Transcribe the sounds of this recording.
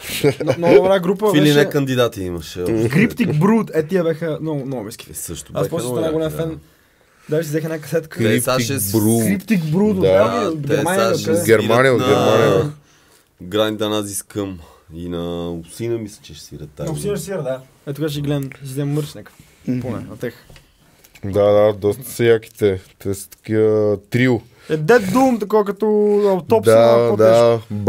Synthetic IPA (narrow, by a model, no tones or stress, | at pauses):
nnɔɡd̪ʊbɾaɡɾupəilinɛkɐnd̪id̪at̪iimɐʃkɾipt̪ibɾut̪ɛt̪ːiəbɛxənɔɡʊnɔmɛskʲi̥səʃt̪ʊaspɔnaɡʊlɛmfɛn | d̪aʒisizɛxnakɐsɛt̪kəiaɛɾuɾipt̪ikbɾut̪ːaiɡ̪ɛɾmanjɐɡʲɛɾmanijəonɡɛɾmani | ɡɾanid̪ɐnaziskəm | inɐʊpsinəmislɛ̥t͡ʃɛʃsiɾɐt̪asinəʃsiɾəd̪a | ɛt̪ukat͡ʃiɡlɛd̪msiɡlɛmːəɾʃnɛk | ponɛ̰ɐt̪ɛx | d̪ad̪ad̪ɔst̪ə̥sɐjaki̥t̪ɛt̪ɛst̪ɐ̥kiət̪ɾiu | ɛd̪ɛt̪d̪umt̪ɐkaəkɐt̪ɔɐt̪ɔpd̪aod̪ab